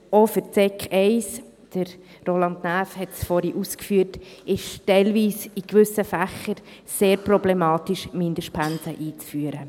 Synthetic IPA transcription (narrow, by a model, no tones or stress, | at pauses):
ofəɾt͡sɛkɛɪs | d̥əɾ | ɾolɑndnæːfhɛtsfoɾiʔuskfyːtɪʃtɛɪlviːsikʋʏsəfæχəɾ | seːɾprɔblɛmɑːtiʃmɪndəʃpʰænsəʔiːt͡sfyːəɾə